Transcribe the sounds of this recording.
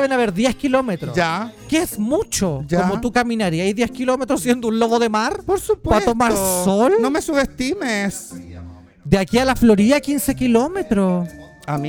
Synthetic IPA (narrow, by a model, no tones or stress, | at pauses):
βenaβeɾðjehkilo̞met̪ɾod͡ʒakeesmut͡ʃod͡ʒaomot̪ukaminaɾiaiðjehkilo̞met̪ɾosje̞nd̪ounlo̞βoðemaɾpoɾsuppat̪omaɾsolnomesuβest̪imes | d̪eakialaflo̞ɾiðakinse̞kilomet̪ɾo | am